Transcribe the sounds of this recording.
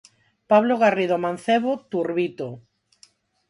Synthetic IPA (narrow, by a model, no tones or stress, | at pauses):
paβloɣariðomãn̟θeβot̪uɾβit̪o